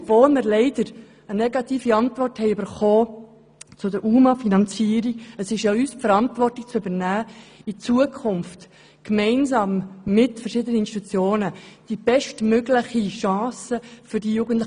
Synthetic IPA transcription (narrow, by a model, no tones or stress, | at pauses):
voːlmɪɾlɛɪdəɾ | ənɛɡɑtiːfiɑntvɔrthɛɪʉbəɾχoː | t͡sʊdəɾʔuːmɑfinɑnt͡siːəɾiəsɪʃjɑyːsfəɾɑntvɔrtɪk̚t͡søbənæːit͡suəkʰχʊnft | kmɛɪnzɑːmːɪtfərʃɪdənəɪnsti̥t̪ut͡sjoːnəd̥ib̥ɛʃtmøɡlɪχiʃɑ̃ːsəfʏɾdijuːɡən̩tl